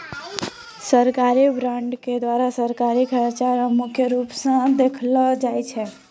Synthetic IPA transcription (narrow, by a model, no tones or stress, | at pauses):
səɾkaɾibɾaɳɖked̪waɾasəɾkaɾikʰəɾat͡ʃaɾəmːukʰjəɾupsə̃d̪ekʰlɔd͡ʒajt͡ʃʰɛ